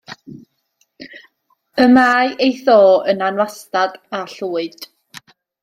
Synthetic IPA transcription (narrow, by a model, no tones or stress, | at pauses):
əmaːjʔejθoːənanwastad̥aɬuːɨd̥